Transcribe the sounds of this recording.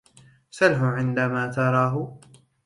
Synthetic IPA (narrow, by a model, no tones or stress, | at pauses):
sɑlħʊʕɪnd̪amaːt̪ɑɾˤɑːɦʊ